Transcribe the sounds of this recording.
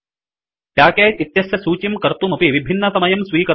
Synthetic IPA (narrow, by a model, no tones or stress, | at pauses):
ʈjaːkeːit̪jɐsjɐsuːt͡ʃimkɐɾt̪umɐpiʋibʱinːɐsɐmɐjɐmsʋiːkɐ